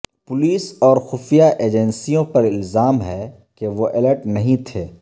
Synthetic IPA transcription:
pʊliːsɔːɾxʊfijaʔeːd͡ʒɛnsijõpɐɾɪlzaːmɦɛ | keʋoʔɪləʈnɐɦĩt̪ʰeː

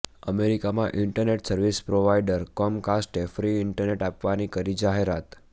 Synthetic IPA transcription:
əmeɾikamãʔɪɳʈəɾneʈsəɾʋispɾoʋaiɖəɾkɔmkasʈefɾiɪɳʈəɾneʈapʋanikəɾid͡ʒaɦeɾat̪

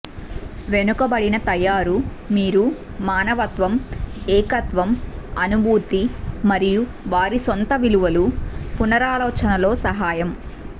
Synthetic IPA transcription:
ʋe̞nukɐbɐɽinɐt̪ɐjaːɾumiːɾu | maːnɐʋɐt̪ʋɐmɛːkɐt̪ʋɐmɐnubʱuːt̪imɐɾiju | ʋaːɾisont̪ɐʋiluʋɐlupunɐɾaːlɔːt͡ʃɐnɐlo̞ːsɐɦaːjɐm

